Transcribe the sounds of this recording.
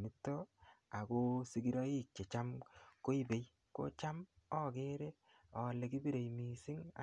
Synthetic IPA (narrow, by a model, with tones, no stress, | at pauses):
ni˦tːo˦a˨ko˦si˦ɡi˦ɾɔ˦i˦k̚t͡ʃe˨t͡ʃa˦mko˦i˦be˨j | ko̰˦t͡ʃa˦mɔ˦ke˦ɾe˦ | ɔ˨le˨ki˦bi˦ɾe˨imi˨si˦ŋa̰˦